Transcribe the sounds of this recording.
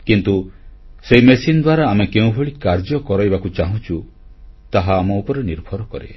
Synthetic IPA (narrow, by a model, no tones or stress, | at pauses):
kint̪useimesinɔd̪waɾaːmekeũbʱɔɭikaɾd͡ʒɔkɔɾɔjbakut͡ʃaɦũt͡ʃʰu | t̪aɦaːmɔupɔɾeniɾbʱɔɾɔkɔɾḛ